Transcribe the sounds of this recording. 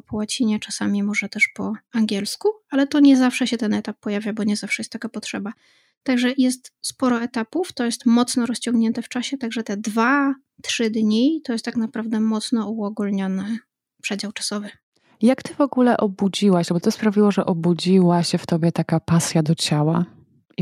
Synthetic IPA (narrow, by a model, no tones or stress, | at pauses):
pɔwat͡ɕiɲɛt͡ʂasamʲimɔʐɛt̪ɛʂpɔaŋɡʲɛlskualɛt̪ɔɲɛzafʂɛɕɛt̪ɛnɛt̪apːɔjavʲjabɔɲɛzafʂɛjɛst̪ːakapɔt̪ʂɛba | t̪aɡʐɛjɛs̬t̪spɔɾɔɛt̪apuft̪ɔjɛst̪mɔt̪snɔɾɔst͡ɕɔŋɡɲɛnt̪ɛft͡ʂaɕɛt̪aɡʐɛt̪ɛd̪va | t̪ʂɘd̪ɲit̪ɔjɛst̪ːaknapɾavd̪ɛmɔt̪snɔuɔɡulɲɔnɛ | pʂɛd͡ʑawt͡ʂḁsɔvɘ | jakt̪ɘvɔɡulɛʔɔbud͡ʑiwaɕabɔt̪ɔspɾavʲiwɔʐɛʔɔbud͡ʑiwaɕɛft̪ɔbʲjɛt̪akapasʲjad̪ɔt͡ɕawa